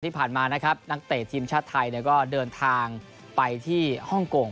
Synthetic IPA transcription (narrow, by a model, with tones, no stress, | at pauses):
tʰiː˥˩pʰaː˨˩nmaː˧na˦˥kʰa˦˥p̚na˦˥k̚t̪eː˨˩t̪ʰiː˧mt͡ɕʰaː˥˩t̪ʰːa˧jni˥˩kɔː˥˩dɤː˧nt̪ʰaː˧ŋ | pa˧jt̪ʰiː˥˩hɔ˥˩ŋkoː˧˩ŋ